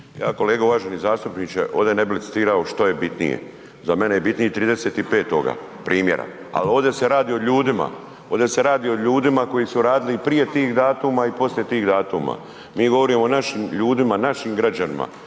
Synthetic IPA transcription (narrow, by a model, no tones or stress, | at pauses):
jaːko̞le̞ːɡauʋaːʒenizaːst̪upnit͡ʃeʔoːʋd̪ene̞bilit̪si̥t̪iːɾaoʃt̪o̞je̞bit̪nḭjḛ | zame̞nejebit̪nijet̪ɾiːd̪eseːt̪ipe̞ːt̪o̞ɡa̰ | pɾʔiːmjeɾa̰ | a̰lo̞ːʋd̪e̞se̞ɾaːd̪iːoʎuːd̪ima̰ | o̞ːd̪e̞se̞ɾaːd̪iːoʎuːd̪imako̞jisuɾaːd̪ilipɾije̞t̪iːxd̪aːt̪umaipo̞slje̞t̪iːɣd̪aːt̪uma̰ | miːɡo̞ʋo̞ɾimonaʃimʎuːd̪imanaʃimɡɾad͡ʒanḭma̰